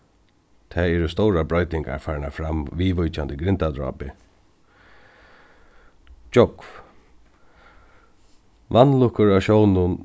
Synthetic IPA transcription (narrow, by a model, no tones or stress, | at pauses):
t̪ʰɛːɛɾʊst̪owɾabɾɔʏjt̪nɪŋka̰ɹfaːɹɪnafɾamʋiːʋʊjt͡ʃand̪əɡɾɪnt̪ad̪ɾɔ̰ːpɪ | t͡ʃɔkf | ʋanlʊkʊɹaʃownʊn